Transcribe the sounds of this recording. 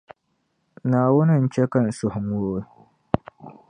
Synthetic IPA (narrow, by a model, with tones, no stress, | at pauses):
naː˨wʊ˦nɪ˨n̩˨t͡ʃɛ˦kɐ˦˨n˨sʊ˨hʊ˨mwoː˦˨